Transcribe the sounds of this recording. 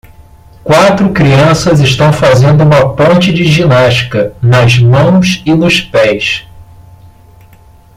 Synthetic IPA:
kwat̪ɾʊkɾiɐ̃sɐzɪʃt̪ɐ̃w̃fazẽnd̪ʊũmɐpõnt͡ʃɪd͡ʒɪʒinaʃt͡ʃi̥kɐnɐzmɐ̃w̃sɪnʊʃpɛjs

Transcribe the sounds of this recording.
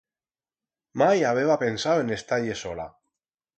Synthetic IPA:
majaβ̞eβapensawenest̪aʎesola̰

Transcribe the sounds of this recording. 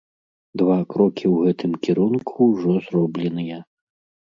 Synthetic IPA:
d̪vakɾɔkʲiwɣɛt̪ʰɨmkʲiɾunkʰuwʐɔzrɔblʲɛnɨjɐ

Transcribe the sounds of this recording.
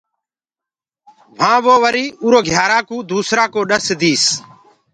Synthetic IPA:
ʋ̤ãːʋoːʋəɾiːuːɾoːɡʱjaːɾaːkũːd̪uːsɾaːkoːɗəsd̪iːs

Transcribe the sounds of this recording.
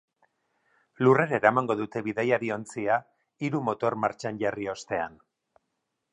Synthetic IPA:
lure̞ɾaeɾamaŋɡo̞ðut̪e̞βiðajaɾio̞nt͡sia | iɾumo̞t̪o̞ɾmaɾt͡ʃanʝario̞st̪e̞an

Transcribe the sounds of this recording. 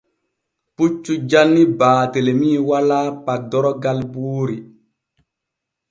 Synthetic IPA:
put͡ʃːud͡ʒanːibaːtelemiːwalaːpak̚dɔɾɔɡalbuːɾi

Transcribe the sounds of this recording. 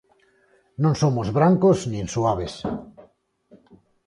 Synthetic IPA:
nõŋsomozβɾaŋkoznĩnsuaβ̞es

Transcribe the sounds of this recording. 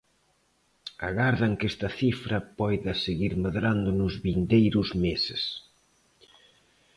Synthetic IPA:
a̰ɣaɾðɐŋkɛst̪ɐθifɾɐpɔjðɐseɣiɾmeðɾand̪ʊnʊzβind̪ejɾʊzmesɪ̰s

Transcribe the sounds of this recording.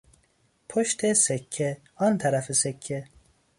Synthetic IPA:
pʰoʃt̪ʰesekʰːe | ɑnt̪ʰaɾafesekʰːe

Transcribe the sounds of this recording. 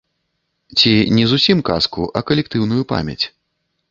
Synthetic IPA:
t͡sʲinʲɛzusʲimkaskuʔɐkɐlʲɛk̚t̪ɨwnujupa̰mʲɐ̰t͡sʲ

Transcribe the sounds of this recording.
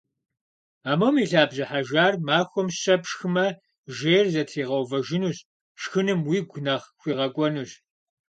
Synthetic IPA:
aːmɐwmiːɬaːbʑɐħaʒaːrmaːxʷɔmɕɐpʃxɨmɐ | ʒeːrzɐtʰiːʁɐwvɐʒɪnuːɕ | ʃxɨnɨmwiːɡʷʊnɐχxʷiːʁɐkʷʼɔnuːɕ

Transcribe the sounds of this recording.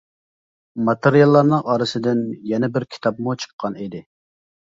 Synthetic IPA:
mɑt̪eɾijɑlˠːɑɾnɨŋʔɑːɾɨsɪd̪ɪnjɛnɛbɪɾkʲʰi̥t̪ʰɑpmut͡ʃʰə̥qʰːɑnid̪ɪ

